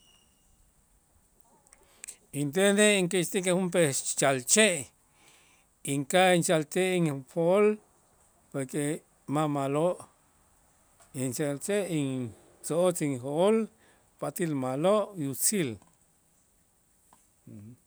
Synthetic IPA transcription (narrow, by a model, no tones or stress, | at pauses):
int̪̬ed̪eiŋkist̪ikehump̬et͡ʃalt͡ʃeʔ | iŋkaint͡ʃalt̪eʔiŋpʰol | poɾke | mamaloʔ | int͡ʃalt͡ʃeʔiŋ | t͡soot͡siŋɦoʔol | pat̪ilmaloʔjut͡sil